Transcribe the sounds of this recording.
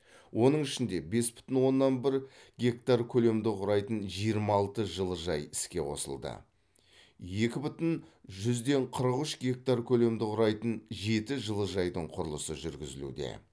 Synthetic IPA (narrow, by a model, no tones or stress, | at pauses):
wʔo̞nəɴɪʃɪnd̪e̞be̞sbʏ̥t̪ɪnwo̞nːɑnbɪɾɡʲe̞kt̪arkʲʰɵle̞md̪ɪqʰʊɾɑjt̪ənʒijəɾmɑlˠt̪əʒəlˠəʒɑjɪskʲe̞wo̞̰sə̰lˠd̪ə̰ | je̞kʲɪbʏt̪ɪnʒʏzd̪e̞ɴqʰəɾəqʏʃɡʲe̞k̚t̪arkʲʰɵle̞md̪ɪqʰʊɾɑjt̪ənʒe̞t̪ɪʒəlˠəʒɑjd̪əɴqʰʊɾlˠəsəʒʏɾɡʲɪzɪlṵd̪e̞̰